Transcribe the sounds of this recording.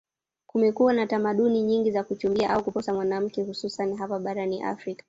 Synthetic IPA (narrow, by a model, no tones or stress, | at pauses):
kumɛkuwanatamaɗuniɲiŋɡizakut͡ʃumbiaʔaukupɔsamwanam̩kɛhususaniɦapaɓaɾaniʔa̰fɾikḁ